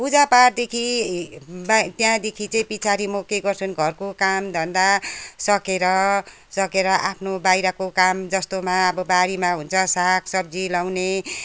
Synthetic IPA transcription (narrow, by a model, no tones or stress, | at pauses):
pud͡zapard̪ekʰi | bt̪jãd̪ekʰit͡sʌĩpit͡sʰaɾimokːeɡʌrt͡sʰʌnɡʱʌrkokamd̪ʱʌnd̪asʌkeɾʌ | sʌkeɾʌʔapʰnobajɾʌkokamd͡zʌst̪omaʌbʌbaɾimaɦunt͡sʰʌsakʰsʌb̚d͡zilawne